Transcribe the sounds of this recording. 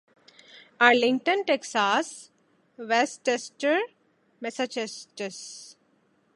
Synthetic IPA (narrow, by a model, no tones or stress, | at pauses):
aɾlɪ̃ŋɡʈə̃nʈeksaːs | ʋesʈesʈəɾ | mɛsat͡ʃesʈəs